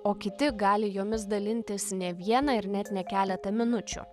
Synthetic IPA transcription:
oːkʲɪt̪ʲɪɡɑːlʲɪjoːmʲɪs̬d̪ɐlʲɪnʲt̪ʲɪsnʲɛʋʲiɛnɐɪɾnʲɛt̪nʲɛkʲæːlʲɛt̪ɐmʲɪnʊt͡ʃʲʊ̰

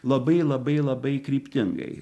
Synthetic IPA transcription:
lˠɐbɐɪlˠɐbɐɪlˠɐbɐɪkɾʲiːpʲt̪ʲɪŋɡɐ̰ɪ

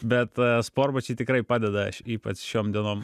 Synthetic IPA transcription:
bʲɛt̪spoːɾbɐt͡ʃʲɛt̪ʲɪkɾɐɪpɑːd̪ʲɛd̪ɐɐʃiːpɐt͡sʃʲoːmd̪ʲiɛnoːm

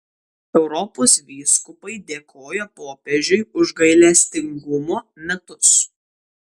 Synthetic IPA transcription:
ɛʊɾɔpoːsʋʲiːskʊpɐɪd̪ʲeːkʰoːjɛpoːpʲeʒʲʊɪʊʒɡɐɪlʲɛsʲt̪ʲɪŋɡʊmoːmʲɛt̪ʊs

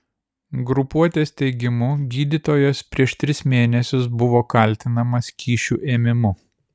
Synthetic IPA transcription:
ɡɾʊpuɔt̪ʲeːst̪ʲɛɪɡʲɪmʊɡʲiːd̪ʲɪt̪oːjoːspʲɾʲiɛʃt̪ʲɾʲɪsmʲeːnʲɛsʲʊs̬bʊʋoːkɐlʲt̪ʲɪnɐmɐskʲʰiːʃʲuːʔeːmʲɪmʊ

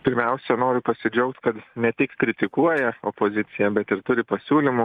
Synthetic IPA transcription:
pʲɪɾʲmʲɛʊsʲɛnoːɾʲʊpɐsʲɪd͡ʒʲɛʊkt̪kɐt̪nʲɛt̪ʲɪkkɾʲɪt̪ʲɪkuɔjɛopozʲɪt̪sʲɪjɛbʲɛt̪ɪɾt̪ʊɾʲɪpɐsʲuːlʲɪmʊ

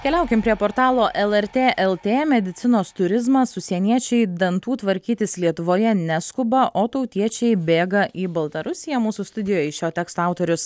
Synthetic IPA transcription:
kʲɛlʲɛˑʊkʲɪmpʲɾʲiɛpoːɾt̪ɑːlˠoːʔɛlˠɛɾʲt̪ʲeːʔɛlˠt̪ʲeːmʲɛd̪ʲɪt̪sʲɪnoːst̪ʊɾʲɪzmɐsʊsʲiɛnʲiɛt͡ʃʲɛɪd̪ɐnt̪uːt̪ʋɐɾʲkʲiːt̪ʲɪslʲiɛt̪ʊʋoːjɛnʲɛskʊbɐʔʔoːt̪ɐʊt̪ʲiɛt͡ʃʲɛɪbʲeːɡɐʔiːbɐlˠt̪ɐɾʊsʲɪjɛmuːsʊst̪ʊd̪ʲɪjoːjɛɪʃʲoːt̪ʲɛːkst̪oɐʊt̪oːɾʲʊs

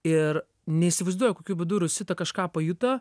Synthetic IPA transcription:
ɪr | nʲɛisʲɪʋɐɪzd̪uɔjɛkoːkʲuːbʲɪd̪uɾʲʊsʲɪt̪ɐkɐʃkɑːpɐjut̪ɐ

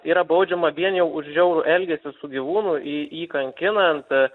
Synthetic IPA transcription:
iːɾɐbɐʊd͡ʒʲɛmɐʋʲiɛnjɛʊʊʃʒʲɛʊɾʊʔɛlʲɡʲɛsʲɪsʊɡʲiʋuːnʊʔiiːkɐŋʲkʲɪnɐnt̪

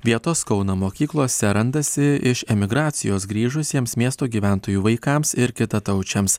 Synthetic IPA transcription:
ʋʲiɛt̪oːskɒʊnɐmoːkʲiːklˠoːsʲɛɾɐnd̪ɐsʲɪɪʃɛmʲɪɡɾɑːt̪sʲɪjoːsɡɾʲiːʒʊsʲiɛmsmʲiɛst̪oːɡʲiːʋʲæˑnt̪oːjuːʋɐɪkɑmsɪɾkʲɪt̪ɐt̪ɒʊt͡ʃʲɛms

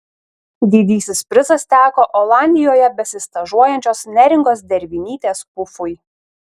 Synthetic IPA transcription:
d̪ʲiːd̪ʲiːsʲɪspʲɾʲɪzɐst̪ʲæːkoːʔɔːlˠɑˑnʲd̪ʲɪjoːjɛbʲɛsʲɪst̪ɐʒuɔjɛnʲt͡ʃʲoːsnʲɛɾʲɪŋɡoːs̬d̪ʲɛɾʲʋʲɪnʲiːt̪ʲeːspʊfʊj

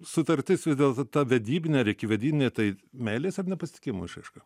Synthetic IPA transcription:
sʊt̪ɐɾʲt̪ʲɪsʋʲɪzd̪ʲeːlˠt̪t̪ɐʋʲɛd̪ʲiːbʲɪnʲɛɐɾʲɪkʲɪʋʲɛd̪ʲiːbʲɪnʲeːt̪ɐɪmʲɛːlʲeːsɐrnʲɛpɐsʲɪ̥t̪ʲɪ̥kʲɪmoːɪʃɐɪʃkɐ

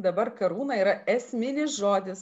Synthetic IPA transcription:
d̪ɐbɐɾkɐɾuːnɐiːɾɐɛsʲmʲɪnʲɪsʒoːd̪ʲɪs

